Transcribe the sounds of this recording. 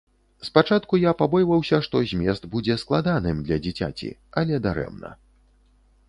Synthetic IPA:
spat͡ʂat̪kujapabɔjvɐwsʲɐʂt̪ɔzʲmʲɛst̪bud͡zʲɛsklˠad̪anɨmd̪lʲɐd͡zʲit͡sʲa̰t͡sʲḭɐlʲɛd̪aɾɛ̰mnɐ̰

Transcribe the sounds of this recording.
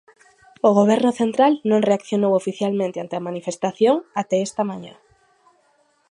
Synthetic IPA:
oɣoβɛɾnʊθent̪ɾalnõŋreakθjonowofiθjalmẽnt̪eant̪eamanifest̪aθjoŋat̪ɛest̪amãɲã̰

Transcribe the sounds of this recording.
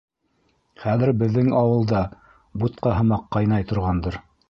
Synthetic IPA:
χæðɘ̆ɾbɘ̆ðːɘŋɑwɤ̆lˠd̪ɑ | but̪̚qɑɦɤ̆mɑqːɑjnɑjt̪ŏɾʁɑnd̪ɤɾ

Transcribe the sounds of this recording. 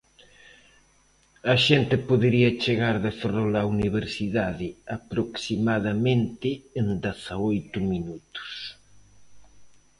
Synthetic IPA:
ɐʃent̪ɪpoðeɾiɐt͡ʃeɣaɾðeferolauniβeɾsiðaðɪɐpɾoksimaðɐmẽnt̪ɪːnd̪eθaojt̪ʊminut̪ʊ̥s

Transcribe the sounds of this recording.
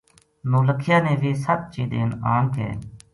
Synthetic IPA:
nõːləkʰɪjaːnẽːʋiːsəb̚t͡ʃiːd̪ḛːnaːmkḛː

